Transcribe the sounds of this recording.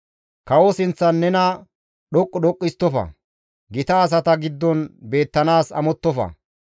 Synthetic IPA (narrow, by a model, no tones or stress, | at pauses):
kɐwɔsɪnt͡sːɐnːɛnɐ | ɗɔkʼːɔɗɔkʼːɪst̪ːɔfɐ̰ | ɡɪt̪ɐːs̬ɐt̪ɐɡɪd̪ːɔnbe̞ːt̪ːɐnaːsɐ̰mɔt̪ːɔfɐ̰